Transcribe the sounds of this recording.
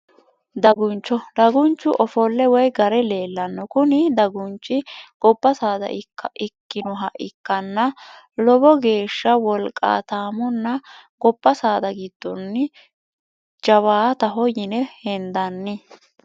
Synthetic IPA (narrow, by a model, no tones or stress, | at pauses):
d̪ɐɡʊnt͡ʃːɔd̪ɐɡʊnt͡ʃːʊʔɔfɔlːɛwɔjɡɐɾɛle̞ːlːɐnːɔkʊnɪd̪ɐɡʊnt͡ʃːɪɡ̥ɔpːɐsaːd̪ɐ̰ʔɪːɐʔɪkːɪnɔɦɐʔɪkːɐnːɐ | lɔbɔɡe̞ːʃːɐwɔlkʼːa̰ːt̪aːmɔnːɐɡɔpːɐsaːd̪ɐɡɪd̪̥ːɔnːɪ | d͡ʒɐβaːt̪ɐɦɔjɪnɛhɛnd̪ɐnːɪ